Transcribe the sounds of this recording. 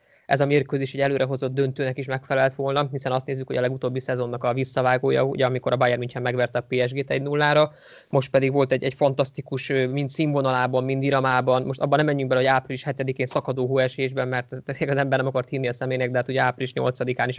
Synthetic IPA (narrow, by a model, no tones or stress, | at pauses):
ʔɛ̰zɒmeːrkøzeːʃɛɟɛløːɾʔɛɦo̞zo̞d̪ːønt̪øːnɛkiʃmɛkfɛlɛlt̪ʋo̞lnɒhisɛnɒst̪eːzːykho̞ɟɒlɛɡut̪oːbːisɛzo̞nːɒkɒvisːɒvaːɡoːjɒ̰ɟɛɒmiko̞ɾɒbaːjɛrmiɲcɛːmːɛɡʋɛrt̪ɛɒpeːɛʒɡeːt̪ɛɟnulːaːɾɒ | mo̞ʃt̪̚pɛd̪iɡʋo̞lt̪ɛɟɛcfɒnt̪ɒst̪ikuʃømint̪siːɱvo̞nɒlaːbɒmmind̪iɾɒmaːbɒnmo̞ʃt̪ɒbːɒnɛmːɛɲːyŋ̚ɡbɛlɛɦoaːpriliʃhɛt̪ɛd̪ikeːnsɒkɒd̪oːɦoːɛʃeːʒbɛmmɛrt̪ɛd̪eɛkɒzɛmbɛrnɛmɒkɒrt̪hiːniɒsɛmeːnɛɡ̚d̪ɛɦaːt̪uɟɛaːpriliʃɲo̞̰lt̪sɒd̪ikaːniʃ